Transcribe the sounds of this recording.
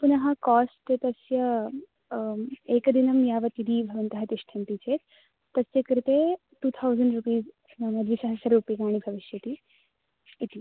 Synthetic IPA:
punɐɦãkɔsʈet̪ɐsjɐ | ekd̪inɐmjaʋɐt̪id̪iːbʱɐʋɐənt̪ɐɦat̪iʂʈʰɐnt̪it͡ʃet̪ː | ɐsjekəɾit̪e | ʈuːt̪ʰawzəɳɖɾupiːz | namɐd̪ʋisɐɦasɐɾupiːkaːɽ̃ibʱɐʋiʃjɐt̪iː | t̪i

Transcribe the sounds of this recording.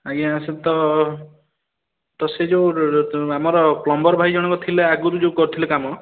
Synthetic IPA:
aɡiãset̪ɔ | t̪ɔsed͡ʒewamɔɾɔklɔmbɔɾɔbʱajd͡ʒɔɽ̃ɔkɔt̪ʰileaɡuɾud͡ʒewkɔɾut̪ʰilekamɔ

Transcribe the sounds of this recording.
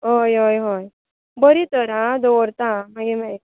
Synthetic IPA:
ɦojɦojɦoj | bəɾit̪əɾãd̪oɾt̪ãmaɡemɛ

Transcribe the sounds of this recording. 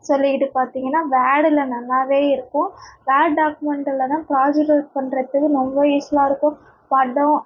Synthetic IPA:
sɔlːɪkɪʈːɯpaːɾt̪iːŋɡɐnːaːʋaːɽɪlɐnɐlːaːʋeːɪɾɯkːʊ̃ʋaːɽɖaːkɯmɛɳʈɯlɐðãːpɾaːd͡ʒɯɾɐːɾpɐɳɾɐt̪ːɯkːɯnɔmbɐiːslaːɪɾɯkːʊ̃ | pɐɖõ

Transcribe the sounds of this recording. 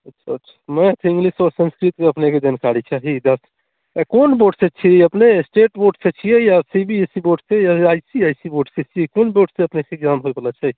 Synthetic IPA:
ətːʃʰaɐtːʃʰḁmɛ̃t̪ʰĩŋɡlisɔːɾsə̃nskɾit̪keəpneked͡ʒankaɾit͡ʃʰaɦid̪əs | konboɖset͡ʃʰiɛəpnesʈeʈboɖset͡ʃʰijɛjasibʱiesiboɖsejaajsiajsiboɖset͡ʃʰijekonboɖseəpneked͡ʒamɦojbələt͡ʃʰɛ

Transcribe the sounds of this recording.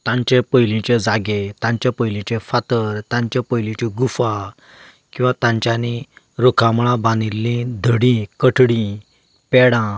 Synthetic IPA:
t̪ãɲt͡ɕepəjlĩt͡ɕed͡zaɡet̪ãɲt͡ɕapəjlĩt͡ɕẽfat̪əɾt̪ãɲt͡ɕepəjlĩt͡ɕiɡufa | kĩw̃ʋãt̪ãɲt͡ɕjani | ɾokʰãmɭãbãnilːĩd̪ʱəɽĩkəʈʰɽĩ | pɛɽã

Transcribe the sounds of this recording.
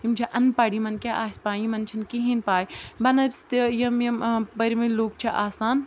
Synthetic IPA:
imd͡ʒʰɐʔɐnpɐɽimɐnkʲeʔaːsʲpaːimɐnt͡ʃʰinkiɦinpaːjbɐnɐst̪ejɐmjɐmbɐɾimɐloːk̚t͡ʃʰɐʔaːsaːn

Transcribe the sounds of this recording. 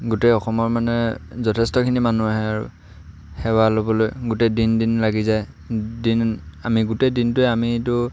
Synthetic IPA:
ɡuteɔxɔmɔɹmanɛzɔtʰɛstɔkʰinimanuaɦɛaɹṵ | hɛwalobɔlojɡutɛdindinlaɡizaj | dinamiɡutɛdintʊɛamitʊ

